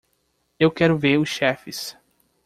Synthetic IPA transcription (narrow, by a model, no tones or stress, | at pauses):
ewkɛɾʊveɾʊsʃɛfɪs